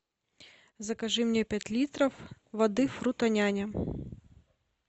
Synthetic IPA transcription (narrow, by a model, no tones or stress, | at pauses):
zɐkɐʐɨmnʲepʲatʲlʲit̪ɾɐfvɐd̪ɨfɾut̪ɐnʲanʲɐ